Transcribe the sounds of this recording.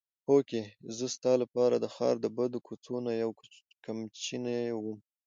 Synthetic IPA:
pokezəst̪ɑlapɑɾad̪əxɑ̰ɾd̪əbad̪okʰot͡sonajaw | kamt͡ʃinawum

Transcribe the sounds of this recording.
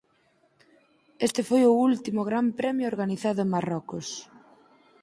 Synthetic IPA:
est̪ɪfojʊult̪imʊɣɾampɾɛmjʊoɾɣaniθaðʊeŋmarɔkʊs

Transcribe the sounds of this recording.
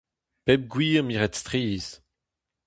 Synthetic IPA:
pɛb̚ɡwiːʁmiʁɛt̪st̪χiːs

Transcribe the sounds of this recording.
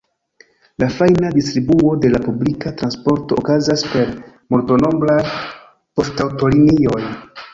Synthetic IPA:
lafajnadistɾibuo̞de̞lapublikatɾanspo̞ɾto̞ːkazaspe̞ɾ | molto̞no̞blaj | po̞stawto̞linio̞j

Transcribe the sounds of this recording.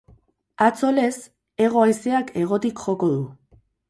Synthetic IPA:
at͡so̞le̞s | e̞ɣ̞o̞ajse̞akʰe̞ɣ̞o̞t̪ikʝo̞ko̞ðu

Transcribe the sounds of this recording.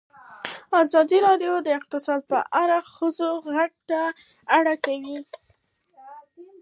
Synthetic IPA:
azɑd̪iɾɑɖjod̪əɪq̚t̪ɪsɑd̪̚pə̰ʔaɾaxəzoɣak̚t̪a | aɽakawi

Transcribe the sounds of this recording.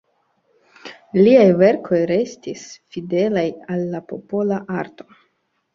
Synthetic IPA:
liajve̞ɾkʰo̞jɾe̞stisfide̞lajalːapo̞po̞laʔaɾto̞

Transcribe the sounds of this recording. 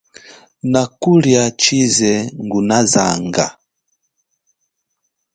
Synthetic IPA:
nakuljat͡ʃizɛŋɡunaza̰ŋɡa̰

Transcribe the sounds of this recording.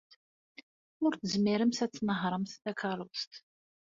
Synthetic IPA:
ʊɾθəzmiɾəmsæt͡sːnəɦɾˤəmθt̪ækɑɾˤʊst̪

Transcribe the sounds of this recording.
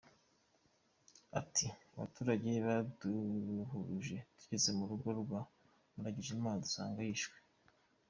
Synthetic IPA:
a̰tʰiaβa̰tuːɾaɟe̞βaduɦuɾuʒe̞d̥u̥cit͡se̞muɾuɡo̞ɾɡwa | muɾaɟiʒimaːnadusa̰ːŋɡajiʃwe̥

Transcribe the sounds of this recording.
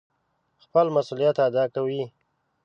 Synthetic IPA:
xpəlmasulijat̪ad̪ɑkawi

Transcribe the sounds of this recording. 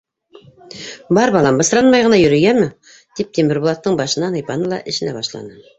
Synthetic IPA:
bɑɾbɑlˠɑmbɤ̆sɾɑnmɑjʁɤ̆nɑjɵ̆ɾɘ̆ɡæmɘ | d̪̥ip̚t̪ʰemɘɾbolˠɑt̪ːɤɴbɑʃɤ̆nːɑnɤjpɑnɤlˠɑ̰ʔɘ̆ʃɘ̆næbɑʃlˠɑ̰nɤ

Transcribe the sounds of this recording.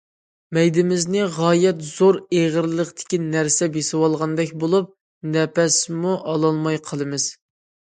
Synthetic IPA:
mɛjd̪ɪmɪznɪʁɑːjɛt̪z̥oɾeʁəɾlˠəqt̪ɪ̥kʲinæɾsɛbesɪwɑlˠʁɑnd̪ɛkʲbolˠup̚ | nɛpɛsmuʔɑlˠɑlˠmɑjqʰəlˠɨmɨz̥

